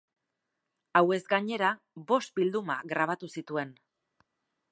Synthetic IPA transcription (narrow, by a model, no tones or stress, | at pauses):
awe̞zɡaɲe̞ɾa | bo̞st̪̚bild̪uma̰ɣɾaβ̞at̪usit̪ue̞n